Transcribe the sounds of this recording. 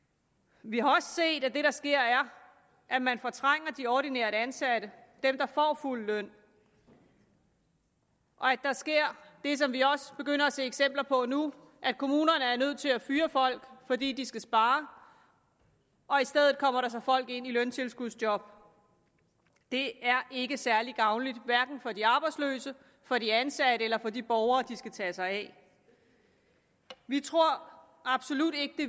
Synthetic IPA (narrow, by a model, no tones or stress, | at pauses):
ʋihɑ̈ɒ̽sse̝̰ːd̥æd̥e̝ɾɑ̈sɡ̥e̝ɐ̰æɐ | ʔæmænfɒ̽t͡sʰʁaŋ̰ɐd̥iɒɾ̥ineːɐdəænsæɾ̥əd̥emd̥ɑ̈fɒ̰ːful̰lœn̰ | ʔɒ̽æd̥ɑ̈sɡ̥e̝ɐ̰d̥e̝s̬ɒ̽mʋiɒ̽sb̥e̝ɡ̥øn̰ɐæse̝eɡ̥sem̰b̥lɐpʰɒ̽nu | ʔæ̥kʰo̝muːnɐnəæɐnøð̞̰ˠt͡sʰe̝læfyːɐfɒ̽l̰ɡ̥fɒ̽d̥ḭːd̥isɡ̥æsb̥ɑ̈ː | ʔɒ̽isd̥eð̞ˠð̩ˠkʰɒ̽m̰ɐɾɑ̈s̬ɑ̈ɪfɒ̽l̰ɡ̥e̝n̰ilønt͡sʰe̝lsɡ̥uðˠsd̥jɒ̽b̥̚ | d̥e̝æɐʔe̝ɡ̥əsæɐliɡ̥ɑ̈ʊnlid̥ʋæɐɡ̥n̩fɒ̽diɑ̈ːb̥ɑ̈ɪdslø̰ːsə | fɒ̽ɾiænsæɾ̥əelɐfɒ̽d̥ib̥ɒʊɐːd̥isɡ̥æt͡sʰɛːsɑ̈ɪɛ̰ | ʋit͡sʰʁo̝ɐ̰ | ɑ̈b̥so̝lud̥e̝ɡ̥əd̥e̝